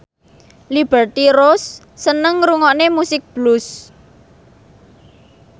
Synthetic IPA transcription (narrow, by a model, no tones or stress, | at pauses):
lib̥ɛrt̪iɾosː | ənəŋɾuŋɔnemusɪk̚b̥lus